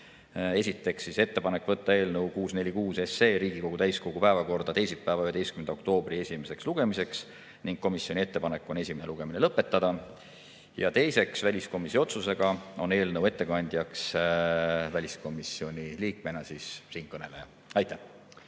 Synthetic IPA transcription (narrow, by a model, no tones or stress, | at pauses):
e̞sit̪ːˑe̞ksːise̞t̪ːe̞pɑne̞kːˑvɤt̪ːɑe̞ːlnɤwkuːsne̞lʲikuːse̞se̞ːɾiːɡ̥iko̞ɡ̥ut̪æjsko̞ɡ̥upæevɑko̞rd̪̥ɑt̪e̞jsit̪̚pæevɑyhee̞jskymend̪ɑok̚t̪o̞ːb̥rie̞sʲime̞se̞ksluɡ̥e̞mise̞ks | niŋɡ̥̚kːo̞misio̞nʲie̞t̪ːe̞pɑne̞kːˑo̞ne̞sʲimene̞luɡ̥e̞minelɤpːˑe̞t̪ˑːɑd̪̥ɑ | jɑ̰t̪e̞jse̞ksvælʲisko̞miso̞t̪suse̞ɡ̥ɑo̞ne̞ːlnəwe̞t̪ːe̞kɑnʲd̪̥ʲjɑks | vælʲisko̞misio̞nʲiliːk̚me̞nɑsissiːnkɤne̞le̞jɑ | ɑjt̪ːæh